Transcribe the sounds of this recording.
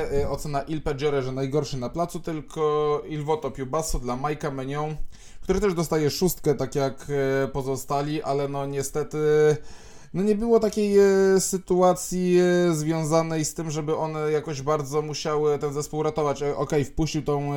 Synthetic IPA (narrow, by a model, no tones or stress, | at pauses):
ɔt̪sɛnaʔilpɛd͡ʑɔɾɛʐɛnajɡɔɾʂɘnaplat̪sut̪ɘlkʰɔilvɔt̪ɔpʲjubasud̪lamajkamɛɲɔ̃w̃ | kt̪uɾɘt̪ɛʐd̪ɔst̪ajɛʂust̪kɛt̪akʲjakpɔzɔst̪alʲiʔalɛnɔɲɛst̪ɛt̪ɘ | nɔɲɛbɘwɔt̪akʲejsɘt̪uat̪sʲjizvʲjɔ̃w̃zanɛjst̪ɘmʐɛbɘʔɔnɛjakɔʑbaɾd̪zɔmuɕawɘt̪ɛnzɛspuwɾat̪ɔvat͡ɕʔɔkɛjfpuɕt͡ɕiwt̪ɔ̃w̃